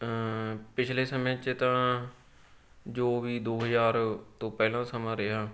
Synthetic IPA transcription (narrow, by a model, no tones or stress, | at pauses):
pɪt͡ʃʰleːsəmẽt͡ʃɪt̪ã | d͡ʒoːʋiːd̪oːɦəzaːɾt̪õːpɛːlãːsəmãːɾeɦaː